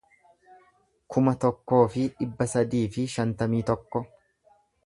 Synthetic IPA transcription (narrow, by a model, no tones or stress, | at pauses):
kʰʊmɐt̪ɔkːo̞ːfɪᶑɪbːɐsɐd̪iːfɪʃɐnt̪ɐmiːt̪ɔkːɔ